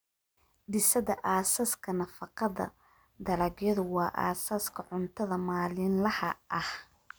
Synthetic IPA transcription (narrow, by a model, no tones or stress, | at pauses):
ɖɪsɐðɐʔaːsaːskʰɐnɐfɑqɑðɐ̰ | d̪ɐlɐbjɐðʊwɑːʔa̰ːsaːskʰɐʕʊnt̪ʰɐðɐmaːlɪnlɐhɐʔɐh